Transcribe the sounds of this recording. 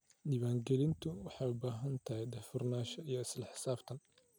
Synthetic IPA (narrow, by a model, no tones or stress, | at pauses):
niːβaːŋɡɛlɪnt̪ʰʊwɑħɑjʊbaːɦɐnt̪ʰɐɦɛjd̪ɐfʊrnaːʃɐijɔɪslɐħɪ̥saːbt̪ʰɐn